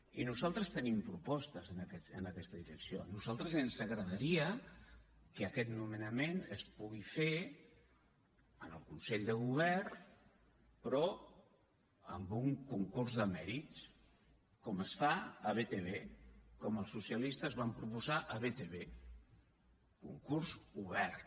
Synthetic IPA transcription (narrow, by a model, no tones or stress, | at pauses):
inuzalˠt̪ɾəst̪ənimpɾupɔst̪əzənəkɛə̰nəkɛst̪əðiɾəksio̰nuzalˠt̪ɾəzənzəɣɾəðəɾiə | kəːkɛt̪numənəmenəspuɣife | ənəlˠkunsɛʎd̪əɣ̞uβ̞ɛrn | pɾɔ | ə̰mbuŋkuŋkurzðəmɛɾit̪s | kɔməsfaəβet̪eβekɔməlˠsusiəlist̪əzβampɾupuzaʔəβet̪eβe | kṵŋkurzuβɛrt̪